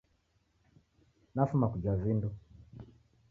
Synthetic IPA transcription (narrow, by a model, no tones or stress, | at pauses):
nafumakud͡ʒavindu